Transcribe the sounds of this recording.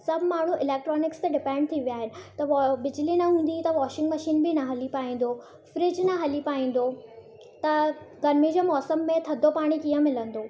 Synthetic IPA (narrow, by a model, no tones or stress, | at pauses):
sɐbʱmaːɳ̤uʔɪlɛːk̚ʈɾɔːnɪkst̪ɐɖɪpɛ̃ːɳɖ̚t̪ʰiʋijaːɦɪnɪ̆t̪ɐʋbɪd͡ʑɪlinɐɦũːn̆d̪it̪ɐʋɔːʃɪ̃ŋɡmɐʃiːnbɪnɐɦɐlipaːĩːn̆d̪oː | fɾɪd͡ʑnɐɦɐlipaːĩːn̆d̪o | t̪ɐ | ɡɐɾmid͡ʑomɔːsəmːẽt̪ʰɐd̪ʱopaːɽ̃ikiːə̃mɪlə̃nd̪oː